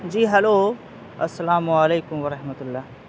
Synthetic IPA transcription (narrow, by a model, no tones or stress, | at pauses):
d͡ʒiːɦɐloː | ɐsːɐlaːmuɐleːkʊmʋɐɾɐɦmɐt̪ʊlːaː